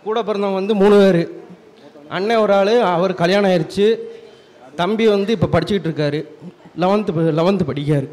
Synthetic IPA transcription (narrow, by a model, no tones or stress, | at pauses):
kuːɽɐpːɐɾɐnɐŋʋɐnd̪ɯmuːɳɯʋeːɾɯ | ʔɐɳːeɔɾaːɭɯɐʋɐɾɯkɐljaːɳɐːɪɾɯt͡ʃːɯ | t̪ɐmbiʋɐnd̪ɯɪpːɐpɐɽɪt͡ʃːɯkːɪʈːɪɾɯkːaːɾɯlɐʋɐnt̪ɯplɐʋɐnd̪ɯpɐɽɪkːaːɾɯ